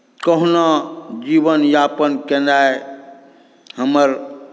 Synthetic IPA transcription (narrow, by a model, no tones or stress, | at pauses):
kəɦnad͡ʒibənjapənkenae | həməɾ